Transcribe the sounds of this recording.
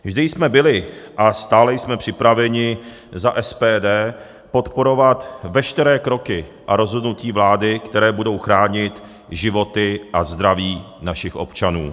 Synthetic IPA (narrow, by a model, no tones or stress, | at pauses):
vʒdɪjsmɛbɪlɪʔast̪aːlɛjsmɛpr̝̥ɪpɾavɛɲɪ | zaʔɛspɛːdɛː | po̞t̪po̞ɾo̞vat̪vɛʃt̪ɛɾɛːkɾo̞kɪʔaɾo̞zɦo̞dnuciːvlaːdɪkt̪ɛɾɛːbudo̞wxɾaːɲɪt̪ | ʒɪvo̞t̪ɪʔazd̪ɾaviː | naʃɪxʔo̞̰pt͡ʃanṵː